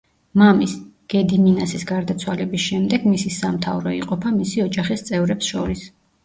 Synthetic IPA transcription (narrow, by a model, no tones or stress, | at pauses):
mamisɡ̥ɛd̪iminasisɡaɾd̪at̪sʰwalɛbisʃɛmd̪ɛɡmisisamt̪ʰavɾɔḭqʼɔpʰamisiɔd͡ʒaχist̪sʼɛvɾɛpsʃɔɾis